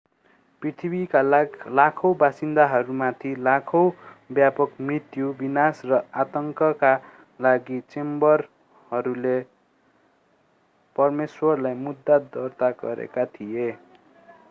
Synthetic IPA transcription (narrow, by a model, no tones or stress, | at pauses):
prit̪ʰibikalakʰʌwbasind̪aɦʌɾumat̪ʰilakʰʌwbjapʌkmrit̪jubinasrʌat̪ʌŋkʌka | laɡit͡sembʌr | hʌɾule | pʌrmeswʌrlajmud̪ːad̪ʌrt̪aɡʌɾḛkat̪ʰije